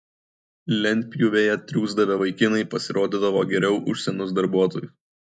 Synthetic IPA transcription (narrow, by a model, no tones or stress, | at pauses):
lʲɛnʲt̪ʲpʲjʊʋʲeːjɛt̪ʲɾʲuːzd̪ɐʋʲeʋɐɪkʲɪnɐɪpɐsʲɪɾoːd̪ʲid̪ɐʋoːɡʲɛɾʲɛʊʔʊʃʲsʲɛnʊs̬d̪ɐɾbuɔt̪oːjʊs